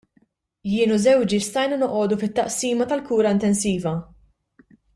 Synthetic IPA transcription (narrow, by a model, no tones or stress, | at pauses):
jɪːnuzɛwd͡ʒist̪ɐjnɐnɔʔɔːd̪ufɪt̪ːɐʔsiːmɐt̪ɐlkuːɾɐɪnt̪ɛnsiːvɐ